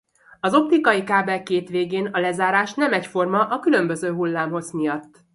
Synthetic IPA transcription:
ɒzo̞p̚t̪ikɒjikaːbɛlkeːt̪ʋeːɡeːnɒlɛzaːɾaːʃnɛmɛcfo̞rmɒʔɒkylø̞mbø̞zøːɦulːaːmɦo̞zmijɒt̪ː

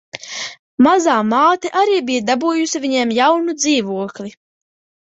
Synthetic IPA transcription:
mazaːmaːt̪iʔaɾiːbijad̪abuːjusivʲiɲemjawnud̪ziːvuɔklʲi

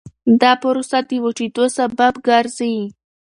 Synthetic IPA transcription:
d̪ɑpʊɾosad̪iwoʈid̪osababɡaɾzai

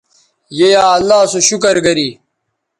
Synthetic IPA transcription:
jejaːɐlːaːsuɕukɐɾɡɐɾiː

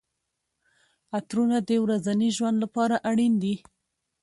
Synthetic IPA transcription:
at̪ɾunad̪əwɾazaniʒwand̪lapɑɾaʔaɽind̪i

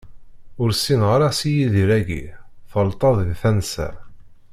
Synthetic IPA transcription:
ʊɾsinʁɾæsijiðiɾæɡḭθəlt̪ˤɑðˤðθænsæ̰

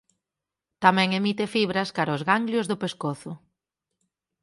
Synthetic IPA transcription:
t̪amɛ̃ŋemit̪efiβ̞ɾɐskaɾaʊzɣaŋɡljʊzðʊpeskoθʊ

